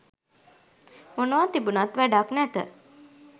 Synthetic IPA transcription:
monəʋat̪ibunat̪ʋæɖaknæt̪ə̰

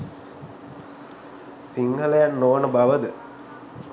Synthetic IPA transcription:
siŋɡʱɐlɐjannoːnəbɐʋɐd̪ɨ

